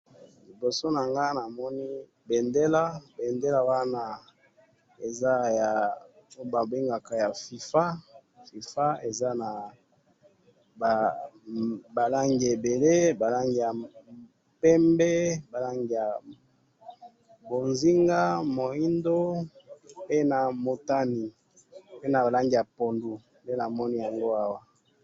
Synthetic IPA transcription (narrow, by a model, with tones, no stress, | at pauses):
li˨bo˨so˦na˨ŋɡa˦na˨mɔ˦ni˦ | be˨nde˦la˦be˨nde˦la˦wa˦na˦ | e˨za˦ja˨˦ | ba˨be˦ŋɡa˨ka˨ja˨fi˨fa˦fi˨fa˦e˨za˦na˨ | ba˨la˦ŋɡi˨e˨be˨le˦ba˨la˦ŋɡi˨ja˨ | pɛ˦mbɛ˦ba˨la˦ŋɡi˨ja˨ | bo˨nzi˦ŋɡa˦mo˨i˦ndo˦ | pe˦na˨mo˨ta˦ni˨ | pe˦na˨ba˨la˦ŋɡi˨ja˨po˨ndu˨ | nde˦na˨mɔ˦ni˦ja˨ŋɡo˦a˦wa˦